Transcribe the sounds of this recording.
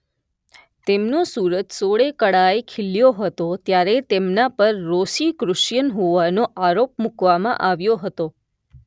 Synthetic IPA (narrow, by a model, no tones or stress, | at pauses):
t̪emnosuɾət̪soɭekəɽaekʰɪljoɦət̪ot̪jaɾet̪emnapəɾːosikɾʊʃjənɦoʋanoʔaɾop̚mukʋamã̰ʔaʋjoɦət̪o